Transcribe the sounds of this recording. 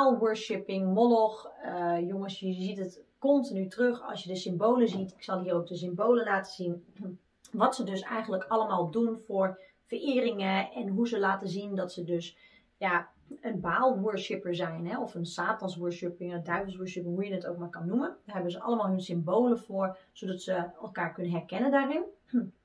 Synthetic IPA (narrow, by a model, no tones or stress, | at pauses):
alˠʋøɹsɪpɪŋmɔdɔxjoŋəsjəzitətkɔntinytrøxɑ̰lˠsjədəsɪmboːləzitɪ̥ksɑlˠɦiːərowk̚dəs̬ɪmboːləlaːtəzin | ʋɑtsədøsɛjɣəntləkʰɑləmaːlˠdunfʊɹ | fərɪːrɪŋəɛnɦuzəlaːtəzindɔtsədøs | ja | ənbaːlˠʋuəʃɪpəɹzɛjnɦɛɔfənsaːtɑnsʋuʃɪpɪŋədœɥvəlˠsʋuːɹʃɪpɪŋɦujənətowk̚maːɹkɑnːumənɦɛbənzəʔɑ̰ləmaːlˠɦønsɪmbowləfʊːɹz̥odɑtsəɛlˠkaːɹknənɦɛrkɛnəndaːrɪn